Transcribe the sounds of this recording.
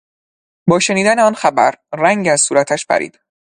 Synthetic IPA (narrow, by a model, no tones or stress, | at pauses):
bɒːʃe̞niːd̪æneɒːnxæbæ̰ɾræŋɟæzsuːɾæt̪ʰæʃpʰæ̰ɾḭːd̪̥